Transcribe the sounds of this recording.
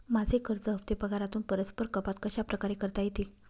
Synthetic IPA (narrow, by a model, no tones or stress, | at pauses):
mad͡zʱekʰəɾt͡səɦəʋt̪epəɡʱaɾat̪uːnpəɾət͡spəɾkəpat̪kəɕapɾəkaɾekəɾt̪ajet̪e